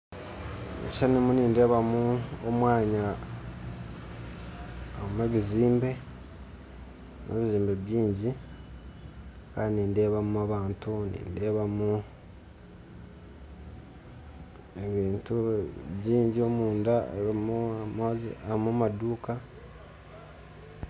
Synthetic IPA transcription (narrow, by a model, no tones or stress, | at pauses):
ḛʃanimuniːnde̞ːβamuomwaːɲa | amweβiziːmbe̞ | meβiziːmbeβjiːɲɟi | kaːnniːnde̞βamuaβaːntunḭːnde̞ːβamu | eβiːntuβjiːɲɟio̞muːndamumazamumaduːka